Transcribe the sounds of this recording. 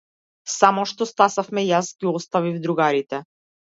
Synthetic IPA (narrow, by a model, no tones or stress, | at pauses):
samɔʃt̪ɔst̪asafmɛjasɡʲiɔst̪avivd̪ɾuɡaɾit̪ɛ